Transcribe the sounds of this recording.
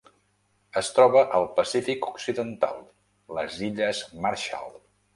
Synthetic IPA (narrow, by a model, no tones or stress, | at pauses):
əst̪ɾɔβəʔəlˠpəsifikuksiðənt̪a̰lˠ | ləziʎəzmaɾʃa̰lˠ